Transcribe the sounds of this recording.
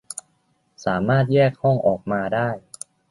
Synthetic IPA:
saː˩˦maː˥˩t̪̚jɛː˥˩k̚hɔ˥˩ŋʔɔː˨˩k̚maː˧daː˥˩j

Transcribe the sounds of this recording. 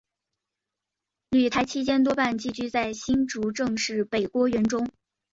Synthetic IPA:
ly˨˩t̪ʰa˧˥ɪt͡ɕʰi˥t͡ɕjɛ˥nt̪wɔ˥pa˥˧nt͡ɕi˥˩t͡ɕy˥t͡sa˥˩ɪɕi˥nʈ͡ʂu˧˥ʈ͡ʂɤ˥˧ŋʂɻ̩˥˩pe˨˩ɪkwɔ˥ɥɛ˧˥nʈ͡ʂʊ˥ŋ

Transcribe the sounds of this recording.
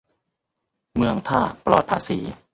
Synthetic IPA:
mɯ˧əŋt̪ʰaː˥˩plɔ̰ː˨˩t̪̚pʰaː˧˥siː˨˩˦

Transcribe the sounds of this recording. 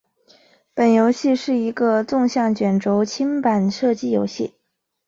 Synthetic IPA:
pə˨˩njo˧˥ʊɕi˥˧ʂɻ̩˥˩i˧˥ɡə˧t͡sʊ˥˧ŋɕjɑ˥˩ŋt͡ɕɥɛ˨˩nʈ͡ʂo˧˥ʊt͡ɕʰi˥ŋpa˨˩nʂɤ˥˧t͡ɕi˥jo˧˥ʊɕḭ˥˩

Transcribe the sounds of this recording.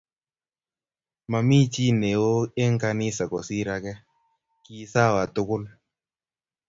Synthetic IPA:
ma˨mi˦t͡ʃi˦ne˨wo˦e˦ŋ˦ka˧nɪ˦sa˨kɔ˨si˦ɾa˨kɛ˦ | ki˨sa˦˨wa˨tʊ˦kʊ˦l

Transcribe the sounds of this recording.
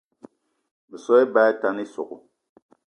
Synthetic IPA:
bə˨sɔ˦ɛ˦ba˦ɛ˦ta˦ni˦sʊ̰˨ɡʊ̰˨

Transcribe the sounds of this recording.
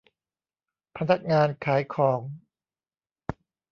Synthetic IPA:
pʰa˧na˦˥k̚ŋaː˧nkʰaː˩˦jkʰɔː˩˦ŋ

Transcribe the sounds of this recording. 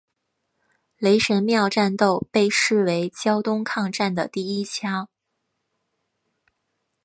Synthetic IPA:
le˧˥ɪʂə˧˥nmjɑ˥˧ʊʈ͡ʂa˥˧nt̪o˥˧ʊpe˥˧ɪʂɻ̩˥˩we˧˥ɪt͡ɕjɑ˥ʊt̪ʊ˥ŋkʰɑ˥˧ŋʈ͡ʂa˥˩nd̪ə̰˩t̪i˥˩i˥t͡ɕʰja˥

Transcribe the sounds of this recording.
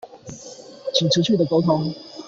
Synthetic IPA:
t͡ɕʰi˨˩ŋʈ͡ʂ̩ʰ˧˥t͡ɕʰy˥˩d̪ə˩ko˧˥ʊt̪ʰʊ˧˥˦ŋ

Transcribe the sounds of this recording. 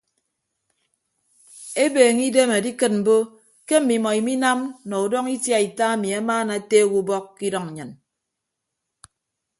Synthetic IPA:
e˦beː˨ŋi˦de˦ma˨di˦kɨ˨t̚m̩˨bo˦ | ke˦m̩˨mi˨mɔ˨i˨mi˦na˦mnɔ˨u˨dɔ˦ŋi˦tja˦i˨ta˦a˨mi˨a˦maː˦na˨te˦˨wu˦bɔ˦kːi˦dɔ˦ŋ̩˨ɲɨ˨n

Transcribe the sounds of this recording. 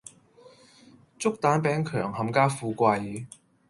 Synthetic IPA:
t͡sʊ˥k̚t̪aː˨˥npɛː˨˥ŋkʰœː˨˩ŋhɐ˨˥mkaː˥fuː˧kʷaː˧j

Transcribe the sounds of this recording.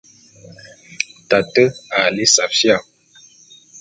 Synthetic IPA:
ta˨tə˦a˨le˦sa˨fja˦˨

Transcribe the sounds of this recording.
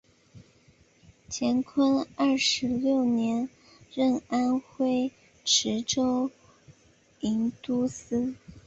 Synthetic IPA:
t͡ɕʰjɛ˧˥nkʰwə˥nɐ˞˥˩ʂɻ̩˧˥ljo˥˩ʊnjɛ˧˥n | ɻə˥˩na˥nxwe˥ɪ | ʈ͡ʂʰɻ̩˧˥ʈ͡ʂo˥ʊ | i˧˥nt̪u˥s̩˥

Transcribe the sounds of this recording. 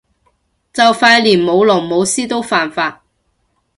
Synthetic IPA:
t͡sɐ˨wfaː˧jliː˨˩nmo˨˧wlɔː˨˩ŋmo˨˧wsiː˥t̪o˥wfaː˨nfaː˧t̚

